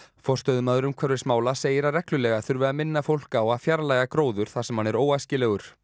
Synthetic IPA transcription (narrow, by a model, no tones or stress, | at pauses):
fɔr̥st̪œðʏmaðʏɾʏmkʰɛɾvɪsmaːwlaseːjɪɾaɾɛhklʏlɛɣaθʏɾvɛðamɪnːafowl̥kaːwaðfjaɾlajɣakɾoːwðʏɾ̥θasɛmhanɛɾoːwajscɪlɛɣʏɾ̥